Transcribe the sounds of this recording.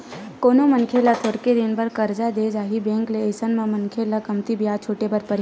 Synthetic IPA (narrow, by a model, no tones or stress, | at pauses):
koːnomənkʰelət̪ʰoːɾked̪ɪnbəɾkəɾd͡ʒad̪ed͡ʒaːɦibẽːŋkleesənmãmɐnkʰelɐkɐmt̪ibijaːt͡ʃʰoːʈebəɾpəɾ